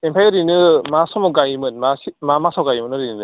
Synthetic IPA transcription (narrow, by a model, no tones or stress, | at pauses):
empʰajɯɾinɯmasɔmɔɡajimɯnmasimamasawɡajimɯnɯɾinɯ